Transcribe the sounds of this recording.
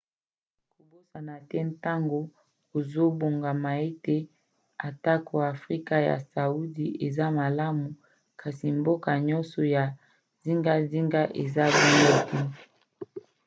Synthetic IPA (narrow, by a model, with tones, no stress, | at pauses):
ko˨bo˦sa˨na˨tɛ˦n˦ta˦ŋɡo˨ | ko˨zo˦bo˨ŋɡa˨ma˨e˦te˦ | a˨ta˦ko˨a˨fʁi˦ka˦ja̰˨sa˨u˦di˨ʔe˨za˦ma˨la˦mu˨ | kʰa˨si˨m˦bo˦ka˨ɲɔ˦nsɔ˨ja˨ | zi˦ŋɡa˦zi˦ŋɡa˦ʔe˨za˦bu˦ŋo˦tɛ˦